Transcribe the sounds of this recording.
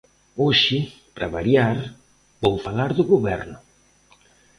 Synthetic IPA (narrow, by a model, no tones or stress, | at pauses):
oʃɪ | pɾa̰βaɾjaɾ | bowfalaɾðʊɣoβɛɾnʊ